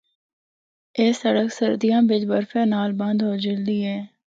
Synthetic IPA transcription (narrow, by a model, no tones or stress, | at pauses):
eːsəɽəksəɾd̪ijãːbɪd͡ʒbəɾfeːnaːlbɐ̃nd̪ɦoːd͡ʒɪld̪iːɦɛː